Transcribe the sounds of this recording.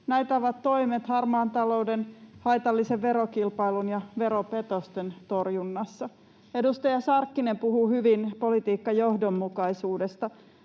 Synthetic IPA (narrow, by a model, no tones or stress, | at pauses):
næjt̪ɑʋɑt̪tːo̞imet̪hɑrmɑːnt̪ɑlo̞udenhɑjt̪ɑlːiseʋʋe̞ɾokilpɑjlunjɑʋe̞ɾope̞t̪ost̪ent̪o̞rjunːɑsːɑ | e̞dust̪ɑjɑsɑrkːinempuhuːhyʋinpo̞lit̪iːkːɑjo̞hdo̞mːukɑisuːdest̪ɑ